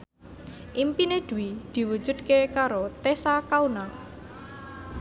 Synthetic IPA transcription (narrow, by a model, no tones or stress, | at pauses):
ʔimpined̪̥ṳwid̪̥i̤wu̥d͡ʒ̥ṳd̪̥̚kekaɾot̪esakaunaŋ